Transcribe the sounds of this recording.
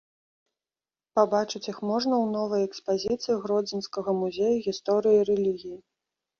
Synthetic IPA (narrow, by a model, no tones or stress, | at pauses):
pabat͡ʂɨt͡sʲjixmɔʐnɐwnɔvɐjɛkspazʲit̪sɨjiɣɾɔd͡zʲinskɐɣɐmuzʲejuɣʲist̪ɔɾɨjiɾɛlʲiɣʲiji